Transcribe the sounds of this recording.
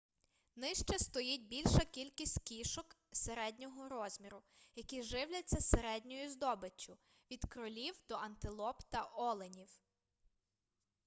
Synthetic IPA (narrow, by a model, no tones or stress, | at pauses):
nɪʃt͡ʃɛst̪ɔjit̚ʲbʲilʲʃɐkʲilʲkʲisʲtʲkʲiʃɔk | seɾɛdʲnʲɔɦɔɾɔzʲmʲiɾʊjɐkiʒɪwlʲɐt͡sʲːɐseɾɛdʲnʲɔjʊzd̪ɔbɪt͡ʃːʊ | ʋʲid̪kɾʊlʲiwd̪̥ɔɐnt̪ɪlˠɔpt̪ɐʔɔlˠenʲiw